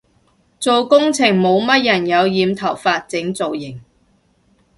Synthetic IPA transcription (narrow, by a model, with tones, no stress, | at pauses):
t͡so˨wkʊ˥ŋt͡sʰɪ˨˩ŋmo˨˧wmɐ˥t̚jɐ˨˩njɐ˨˧wjiː˨˧mt̪ʰɐ˨˩wfaː˧t̚t͡sɪ˨˥ŋt͡so˨wjɪ˨˩ŋ